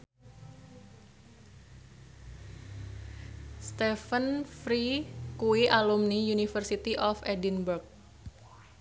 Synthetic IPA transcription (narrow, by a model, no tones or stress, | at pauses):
st̪ɛfənfɾikuiʔalumnijunifərsit̪iʔɔfɛdinburk̚